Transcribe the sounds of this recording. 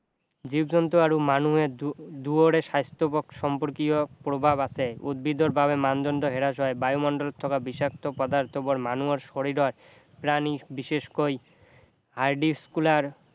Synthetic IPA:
d͡ʑibd͡ʑɔnt̪oaɾumanuɦed̪uoɾeʃajst̪opokʃɔmpoɾkiopɾobʱabat͡ɕʰeud̪̚bid̪oɾbʱaβemand̪ond̪oɦeɾaʃ̬ɔebajumɔɳɖolt̪ʰɔkabiʃak̚t̪opɔd̪aɾt̪ʰopoɾmanuaɾʃoɾiɾoaɾ | pɾanibiʃeʃkoj | ɦaɾɖiskulaɾ

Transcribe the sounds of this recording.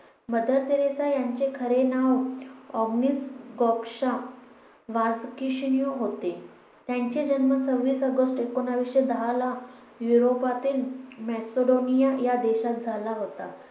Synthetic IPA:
məd̪ʱəɾt̪iɾesajaɲt͡ɕekʰəɾenaʋɔɡnisɡɔkʂa | ʋad͡zkiɕnijoɦot̪e | t̪jãɲt͡ɕed͡ʑənmət͡səʋiːsəɡəsʈekonaʋiɕed̪əɦala | juɾopat̪iːlmɛsoɖonijajad̪eɕat̪̚d͡zʱalaɦot̪a

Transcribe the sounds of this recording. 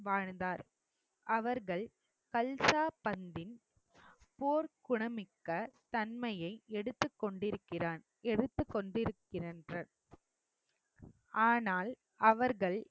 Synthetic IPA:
ʋaːɻnd̪aːɾ | ʔɐʋɐɾɣɐɭ | kɐlsaːpɐnd̪ɪn | poːɾkʊɳɐmɪkːɐt̪ɐnmɐjɐɪɛɽɯt̪ːɯkːɔɳɖɪɾɯkːɪraːn | ɛɽɯt̪ːɯkːɔɳɖɪɾɯkːɪrɐndrɐ | ʔaːnaːl | ɐʋɐɾɣɐɭ

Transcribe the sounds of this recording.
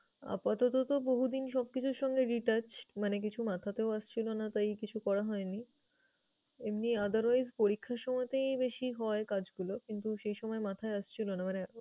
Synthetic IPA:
a̰pat̪ot̪ot̪oboɦud̪inʃɔb̚kit͡ɕʰuɾʃɔŋɡeɾiʈaɾt͡ɕmanek̬it͡ɕʰumat̪ʰat̪eoaʃt͡ɕʰilonat̪ajkit͡ɕʰukɔɾaɦɔeni | emniad̪aɾajzpoɾikʰːaɾʃɔmɔet̪ebeʃiɦɔekad͡ʑɡulokint̪uʃejʃɔmɔemat̪ʰaeaʃt͡ɕʰilonamane

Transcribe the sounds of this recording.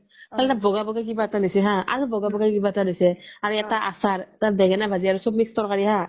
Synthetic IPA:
kalɛtabʱɔɡabɔɡakibaɛtanɔjsɛɦaa̰ɹubɔɡabɔɡakibaɛtanojsɛaɹuɛtaʔasaɹtaɹdɛɡɛnabʱaziaɹusɔb̚mikstɔɹkaɹiɦa

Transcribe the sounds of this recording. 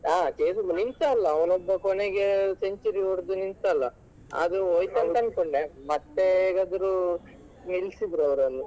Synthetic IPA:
aːkeːsunint̪aːlːɐɔnɔbːɐkoneɡeseɲt͡ʃɐɾioɾd̪unint̪ɐːlːɐ | ɐ̰d̪ɾuoːjt̪ɐnt̪ɐnkoɳɖemɐt̪ːeːɡɐd̪ɾu | niɭsid̪ɾɐʋɐɾɐnːu

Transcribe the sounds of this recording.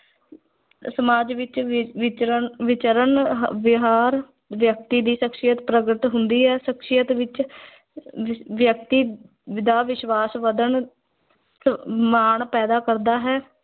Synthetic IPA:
səmaːd͡ʒʋɪt͡ʃt͡ʃəʋɪt͡ʃəɾəɳɦʋɪɦaːɾ | ʋjək̚t̪iːd̪iːʃəkʃɪjət̪pɾəɡɾɪt̪ɦʊnd̪iːɦɛːʃəkʃɪjət̪ʋɪt͡ʃ | ʋjək̚t̪iː | d̪aːʋɪʃʋaːsʋəd̪əɳ | səmaːɳpɛːd̪aːkəɾd̪aːɦɛː

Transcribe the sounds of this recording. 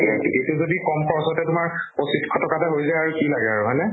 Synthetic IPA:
etuzodikɔmpɔɹsɔtɛtʊmaɹpositkʰɔtɔkatɛɦojzajaɹukilaɡɛaɹuɦɔjnɛ

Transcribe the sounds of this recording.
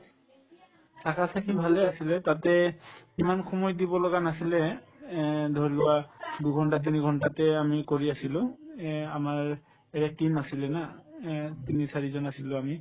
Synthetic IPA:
sakasakʰibʱalɛasilɛtatɛkimanxɔmɔjdibɔlɔɡanasilɛ | dʱɔɹlʊwaduɡʱɔntat̬iniɡʱɔntatɛamikoɹiasilʊ̃ | amaɹ | ɛɹɛk̚timasilɛna | tinisaɹizɔnasilʊ̃ami

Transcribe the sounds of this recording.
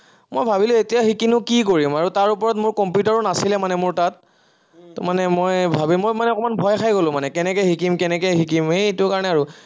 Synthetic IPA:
mojbʱabilʊetijaxikinʊkik̬oɹimaɹutaɹupɔɹɔtmʊɹkɔmpjutaɹɔnasilɛmanɛmʊɹtat̚ː | manɛmojbʱabimojmanɛɔkɔmanbʱɔjxʰajɡolʊ̃manɛkɛnɛkɛxikimkɛnɛkɛxikimhejtʊkaɹɔnɛaɹu

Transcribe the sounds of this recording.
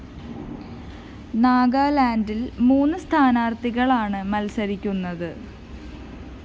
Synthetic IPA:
naːɡaːlaːndilmuːnːɨst̪ʰaːnaːrt̪iɣɐɭaːɳɨmɐlsɐɾikʲːunːɐðɨ

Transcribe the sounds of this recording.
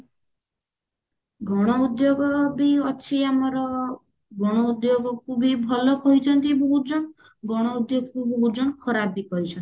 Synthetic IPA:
ɡʱɔɽ̃ɔud̪joɡɔbiɔt͡ʃʰiamɔɾɔ | ɡɔɽ̃ɔud̪joɡɔkʰubibʱɔlɔkɔɦit͡ʃʰɔnt̪ibɔɦud͡ʒɔnɔ | ɡɔɽ̃ɔud̪joɡɔkubɔɦud͡ʒɔɽkʰɔɾabikɔɦit͡ʃʰɔnt̪i

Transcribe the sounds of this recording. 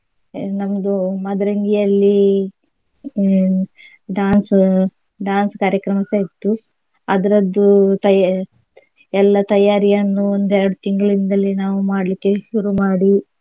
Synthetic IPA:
nɐmɐd̪umɐd̪ɐɾɐŋɡijɐlːi | ɖaːns | ɖaːnskaːɾjɐkɾɐmɐseːt̪ːu | ɐd̪ɐɾɐd̪ːut̪ɐ | ɛlːɐt̪ɐjaːɾijɐnːuond̪ɛɾɐɽut̪iŋɡɐɭind̪ɐlːinaːʋumaːɽɐlikːeʃuɾumaːɽi

